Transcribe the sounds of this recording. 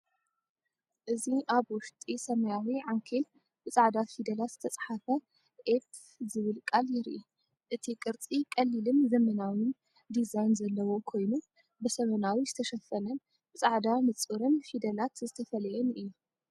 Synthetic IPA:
ʔɨziʔaβwʊʃt̪ʼisɐmɐjawiʕaŋkʰel | bɨt͡sʼaʕd̪afid̪ɐlat̪z̥ɨt̪ʰɐt͡sʼaħafɐ | ʔep | zɨβɨlkʼaljɪɾʔi | ʔɨt̪ʰikʼɨɾt͡sʼikʼɐlːilɨmzɐmɐnawin | d̪izajnzɐlːɐwo̞kʰo̞jnu | bɨsɐmɐnawizɨt̪ʰɐʃɐfɐnɐn | b̥ɨt͡sʼaʕd̪amɨt͡sʼɨɾɨnfid̪ɐlat̪zɨt̪ʰɐfɐlɐjɛnɨjːu

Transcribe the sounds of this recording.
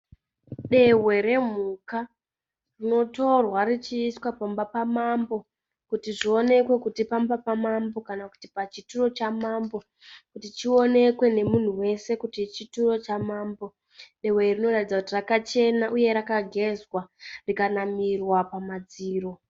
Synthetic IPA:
ɗe̞we̞ɾe̞m̤uka | rino̞to̞rwarit͡ʃiːswapambapamambo | kutiʐio̞ne̞kwe̞kutipambapamambo̞kanaku̥tipat͡ʃituro̞t͡ʃamambo̞ | kutit͡ʃio̞ne̞kwe̞ne̞mun̤uwe̞se̞kutit͡ʃituro̞t͡ʃamaːmbo̞ | ɗe̞we̞rino̞ratid͡zakutirakat͡ʃe̞naʔuje̞ɾakaɡʱe̞zwarikanamirwapamad͡ziːro̞

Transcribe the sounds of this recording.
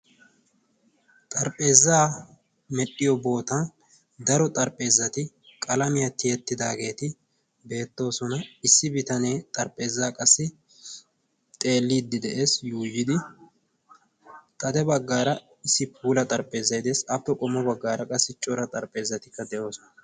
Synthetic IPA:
t̪ʼɐɾpʼe̞ːzːaː | mɛɗːɪjɔbo̞ːt̪ɐn | d̪ɐɾɔt̪ʼɐɾpʼːe̞ːzːɐt̪ɪ | kʼɐlɐmɪjɐt̪ːɪjɛt̪ːɪd̪aːɡe̞ːt̪ɪ | be̞ːt̪ːo̞ːsɔnɐɪsːɪbɪt̪ɐne̞ːt̪ʼɐɾpʼe̞ːzːaːkʼɐsːɪ | t̪ʼe̞ːlːiːd̪ːɪd̪ɛʔe̞ːsjuːjːɪd̪ɪ | t̪ʼɐd̪ɛbɐɡːaːɾɐ | ɪsːɪpʰuːlɐt̪ʼɐɾpʼe̞ːzːɐjd̪e̞ːsɐpːɛkʼɔmːɔbɐɡːaːɾɐkʼɐsːɪt͡ʃʼɔɾɐt̪ʼɐɾpʼe̞ːzːɐt̪ɪkːɐd̪ɛʔo̞ːsɔnɐ

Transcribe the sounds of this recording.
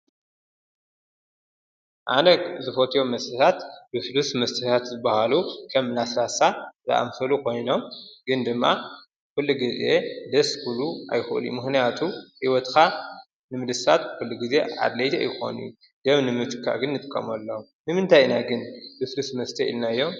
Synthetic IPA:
ʔa̰nɐɡzɨfot̪ʰijo̞mːɐst̪ʰɐt̪ʰat̪bɨflusmɐst̪ʰɐt̪ʰat̪zɨbːɐhalukʰɐmlasɾasaza̰ʔa̰mfɐlukʰo̞jno̞mɡɨnd̪ɨmːa | kɨlːɨɡɨzed̪ɐskʰuluʔa̰jxɨʔɨ̰ljṵmɨxnijat̪ʰuhiwɔt̪kʰa | nɨmɨd̪ɨsat̪kɨlːɨɡize̞ʕa̰d̪lɐt̪ʰḛjɪxo̞̰nu | d̪ɐβnɨmɨt̪kʰːa̰ʔɡɨnːɨt̪ʼɨkʼːɐ̰mɐlːɐ | nɨmɨnt̪ʰajnaɡɨnbɨflusmɐst̪ʰɐʔḭlnajːo̞m

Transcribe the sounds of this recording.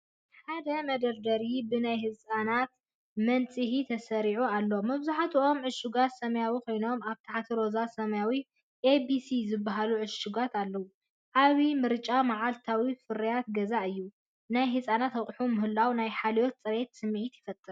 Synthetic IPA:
ħad̪ɐmɐd̪ɐɾd̪ɐɾibɨnajhɨsʼanat̪ | mɐnt͡sʼihit̪ʰɐsɐɾiʕualːomɐβzaħat̪ʰʔo̞mʕɨʃuɡat̪sɐmɐjawikʰo̞jno̞maβt̪ʰaħat̪ʰiɾo̞zasɐmɐjawi | ʔebisizɨbːaɦaluʕɨʃuɡat̪ʰalːɐwu | ʔaβimɨɾt͡ʃʼamaʕalt̪ʰawifɨɾɐjat̪ɡɐzaʔɨjːu | najɦɨsʼanat̪ɐχʼħumɨɦɨlːawnajħalijot̪̚t͡sʼɐɾe̞t̪sɨmːʕit̪jɪfɐt̪ʼːɨɾ

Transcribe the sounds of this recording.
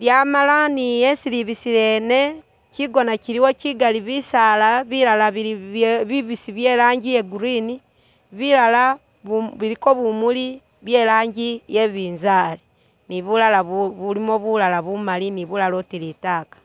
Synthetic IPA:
ljamalanijesiliβisiɾene | ciɡonaciɾiwociɡaliβisalaβiɾalaβiβiβisiβjelaːɲɟijeɡuɾini | βilala | ββiɾikoβumuli | βjelaːɲɟijeβiːnzali | niβulalaββulimoβulalaβumaliniβulalotilitaːkḁ

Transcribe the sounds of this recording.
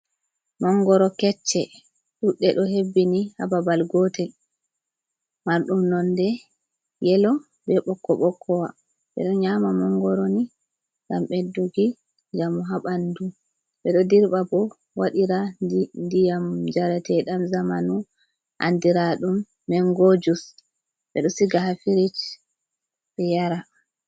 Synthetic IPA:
mɔŋɡɔɾɔkɛt͡ʃːɛ | ɗuɗːɛɗɔhebːiniha̰babalɡɔtɛl | maɾɗumnɔndɛ | jɛlɔ | bɛɓɔkːɔɓɔkʰːɔwa | ɓɛ̰ɗɔɲamamɔŋɡɔɾɔni | ɡamɓedːuɡi | d͡ʒamuɦaɓandu | ɓɛɗɔdiɾɓabɔ | waɗiɾadndijamd͡ʒaɾatʰɛɗamzamanu | ʔa̰ndiɾaɗumː | ɛŋɡod͡ʒus | ɓɛ̰ɗɔsiɡahafiɾit͡ʃ | ɓɛjaɾa

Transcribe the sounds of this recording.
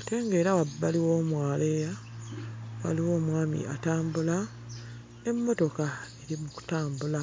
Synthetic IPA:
ate̞ːŋɡeɾawabːaliwo̞ːmwaːle̞ːja | wa̰liwo̞ːmwaːmḭa̰taːmbula | e̞mːo̞to̞kae̞ɾimuku̥taːmbula

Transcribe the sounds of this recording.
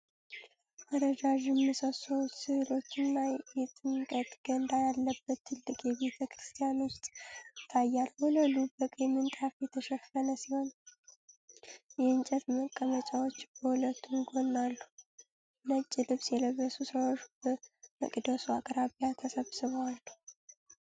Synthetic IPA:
ʔad̪əd͡ʒaʒɪmːɨsəsəwut̪sɨhɨlo̞t͡ʃːɪnːajɛt̪ʼɨŋkʼət̪ʼɡ̥ənd̪ajalːəbːət̪ʰːɨlːɨkʼjɛβe̞t̪ʰəkɾɨst̪ʰijano̞t͡ʃ̪t̪ʰajːalːhuləlubəkʼjɛmɨnt̪ʼafjɛt̪ʰəʃɛfənəsmən | jɛɨnt͡ʃʼət̪məkʼːəmət͡ʃʼawo̞t͡ʃːbəhulət̪ːumɡo̞nːalːu | nət͡ʃʼːilɨβsjɛləβəsusəwot͡ʃb̥əməkʼd̪əsuakʼɾaβjat̪ʰəsəβsɨβwalːu

